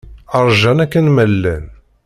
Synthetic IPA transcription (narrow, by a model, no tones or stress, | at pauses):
ɑɾˤʒænækːənməlːæn